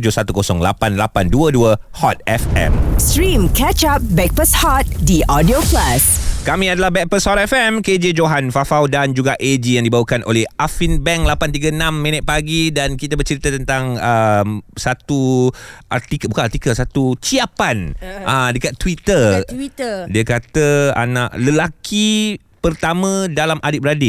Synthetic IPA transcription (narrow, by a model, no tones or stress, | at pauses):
d͡ʒosat̪ukosɔŋla̰panlapanduəduəhɔt̪̚ɛfɛ̰̃mstɾĩmkɛt͡ʃap̚bɛk̚pəshɔt̪̚diʔɔdioplaskamĩadalahbɛk̚pəshɔt̪̚ɛfɛmked͡ʒed͡ʒoɦanfafawdand͡ʒuɡaʔed͡ʒijãŋdibawəkanʔo̰lɛhʔafinbɛŋlapant̪iɡəənãmːĩnət̪̚paɡidankit̪abərt͡ʃəɾit̪at̪ənt̪aŋəmsat̪uʔa̰rt̪ikəbukãart̪ikəlsat̪ut͡ʃiapanʔadəkat̪ːwit̪ər | diəkat̪əa̰naʔləlaki | pərt̪amə̃dalamʔadɪp̚ɾadi